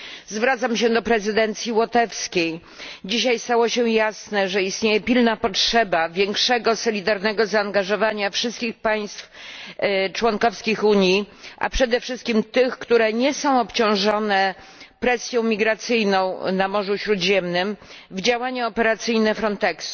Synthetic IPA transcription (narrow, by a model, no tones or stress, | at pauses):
zvɾat̪samɕɛd̪ɔpɾɛzɘd̪ɛnt̪sʲjiwɔt̪ɛfskʲej | d͡ʑiɕajst̪awɔɕɛjasnɛʐɛist̪ɲejɛpʲilnapɔtʂɛbavʲjɛŋkʂɛɡɔsɔlʲid̪aɾnɛɡɔzaːŋɡaʐɔvaɲafʂɘst̪kʲixpaj̃st̪f | t͡ʂwɔnkɔfskʲixuɲjiʔa̰pʂɛd̪ɛfʂɘst̪kʲimt̪ɘxkt̪uɾɛɲɛsɔ̃w̃ɔpt͡ɕɔ̃w̃ʐɔnɛ | pɾɛsʲjɔ̃w̃mʲiɡɾat̪sɘjnɔ̃w̃namɔʐuɕɾud̪ʑɛmnɘm | vd͡ʑawaɲuɔpɛɾat̪sɘjnɛfɾɔnt̪ɛksu̥